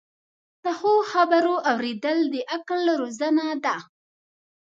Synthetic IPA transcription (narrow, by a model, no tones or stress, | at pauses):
t̪əxoxabaɾoʔawɾed̪əld̪əʔaklɾozanad̪a